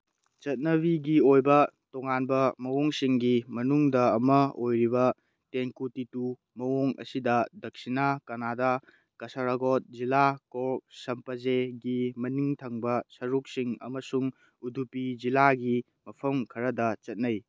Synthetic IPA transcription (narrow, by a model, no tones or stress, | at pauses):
t͡ʃɐt̚nɐbiɡiojbɐtoŋanbɐmɐwoŋsiŋɡimɐnuŋdɐːmɐojɾibɐ | teŋkutitu | mɐwoŋɐ̰sidɐdɐk̚sinakɐnada | kɐsɐɾaɡot̚zilakoɾk̚sɐmpɐzeɡimɐniŋtʰɐŋbɐsɐɾuk̚siŋɐ̰mɐsuŋ | udupid͡ʒilaɡi | mɐpʰɐmkʰɐɾɐdɐt͡ʃɐt̚nɐj